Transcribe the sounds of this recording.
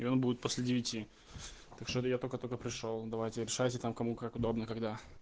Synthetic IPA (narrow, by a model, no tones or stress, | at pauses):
ɪo̞nbudʲɪt̪̚po̞sʲlʲɪdʲɪvʲɪtʲi | t̪akʂt̪ojat̪okət̪olkəpɾʲɪʂolˠd̪ɐvajtʲɪɾʲɪʂajtʲɪt̪amkɐmukakʊd̪o̞bnəkɐɡd̪a